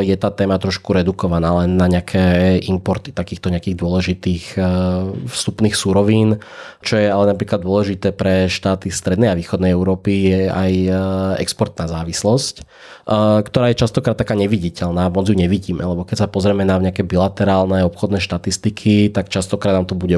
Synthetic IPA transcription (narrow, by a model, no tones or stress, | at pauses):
jɛt̪aːt̪ɛːmat̪ɾɔʃkuɾɛd̪ukɔʋanaːlɛnːaɲɪakʰɛːʔimpɔɾt̪i̥t̪akiːxt̪ɔɲɛakiːɣd̪ʊɔlɛʒit̪iːx | fst̪upniːxsuɾɔʋiːnt͡ʃɔjɛalɛnapɾiːklad̪ʊɔlɛʒit̪ɛːpɾɛʃt̪aːt̪ist̪ɾɛd̪nɛjaʋiːxɔd̪nɛjɛʊɾɔːpijɛajɛ̰kspɔɾt̪naːzaːʋislɔsc | kt̪ɔɾaːjɛt͡ʃast̪ɔkɾad̪t̪t̪ːakaːɲɛʋiɟicɛlnaːmɔd͡zjuɲɛʋiɟiːmɛ̰lɛbɔkɛcsapɔzɾɛmɛnaɲɛakɛːbilat̪ɛɾaːlnɛɔpxɔd̪nɛːʃt̪at̪ist̪ikʰit̪akt͡ʃast̪ɔkɾaːd̪naːmt̪ɔbuɟɛ